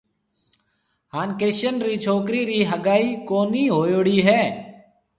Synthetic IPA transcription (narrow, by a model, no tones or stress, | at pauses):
haːnkɾɪʃənɾiːt͡ʃʰoːkɾiːɾiːɦəɡaːiːkoːniːɦoːjoːɽiːɦɛː